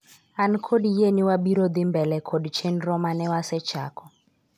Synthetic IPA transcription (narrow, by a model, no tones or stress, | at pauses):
anikʰodijeniwaɓiɾɔd̪imbɛlɛkʰodit͡ʃʰenirɔmanɛwasɛ̥t͡ʃʰa̰ːkʰɔ